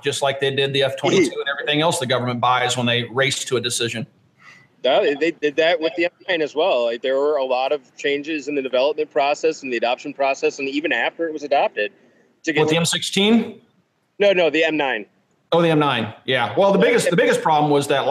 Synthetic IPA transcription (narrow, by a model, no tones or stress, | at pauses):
d̥ʒ̥ʌstˡlaɪk̚ðeɪdɪd̪̚ðiɛftʰwɛ̃nitʰʉɨ̃nɛvɹiθɪ̃ŋɛlˠsðɨɡʌvə˞mə̃nb̥aɪzwə̃nðeɪɹeɪstʰəɨdɨsɪʒɨ̃n | dæðeɪdɨd̪̚ðɨt̚wɨðiɛ̃mnãɪ̃nɨzwɛlˠlaɪk̚ðə˞wə˞əlɔɾʌv̥t͡ʃʰẽɪ̃nd͡ʒɪzɨ̃nðɨdɨvɛlˠəp̚mɨ̃npʰɹ̥ɔsɛsn̩ðiɨdɑpʃn̩pʰɹ̥ɔsɛsɨ̃nivɨ̃næftə˞ɨt̚wʌzɨdæp̚tɪd̥̚ | tʰɨɡwəðiɛ̃msɪkstʰĩn | noʊnoʊðiɛ̃mnãɪ̃n | oʊðiɛ̃mnãɪ̃njæwɛlˠðəbɪɡɨstðɨbɪɡɨspʰɹ̥ɑblə̃mwʌzðɨt̚